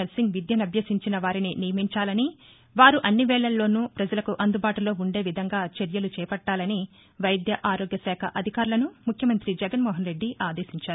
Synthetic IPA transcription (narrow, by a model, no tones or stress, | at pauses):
elsiŋɡʋid̪jɐnɐbʱjɐsiɲt͡ʃinɐʋaːɾininijɐmiɲt͡ʃaːlɐni | ʋaːɾuʔɐnːiʋɛːɭɐlːo̞ːnuːpɾɐd͡ʒɐlɐkuʔɐnd̪ubaːʈulo̞ːuɳɖe̞ːʋid̪ʱɐŋɡaːt͡ʃeɾjɐlut͡ʃɛːpɐʈːaːlɐni | ʋɐjd̪jɐʔaːɾoːɡjɐsɛːkʰɐʔɐd̪ʱikaːɾulɐnumukʰjɐmɐnt̪ɾid͡ʒɛɡɐnmɔːɦɐnɾe̞ɖːiʔaːd̪e̞ːsiɲt͡ʃaːɾu